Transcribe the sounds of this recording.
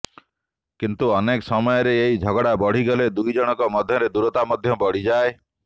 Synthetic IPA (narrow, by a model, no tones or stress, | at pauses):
kint̪uɔneksɔmɔjɔɾeːjd͡ʒʱɔɡɔɽabɔɽ̤iɡɔled̪ujd͡ʒɔɽ̃ɔkɔmɔd̪ʱjɔɾed̪uɾɔt̪amɔd̪ʱjɔbɔɽ̤id͡ʒae